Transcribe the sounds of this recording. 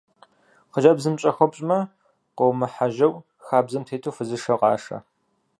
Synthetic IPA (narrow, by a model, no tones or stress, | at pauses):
qəʒɐbzɨmt͡ʃʼɐxɐpʼɕʼmɐ | qəwmɐħaʒɐw | xaːbzɐmtʰeːtʰoːfɨzɨʃɐqɑ̰ːʂɐ̰